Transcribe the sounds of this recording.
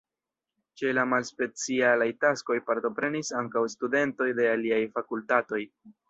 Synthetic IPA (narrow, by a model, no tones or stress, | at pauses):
t͡ʃe̞lamalspe̞t͡sialajtasko̞jpaɾto̞pɾe̞nisaŋkawstude̞nto̞jde̞aliajfakultato̞j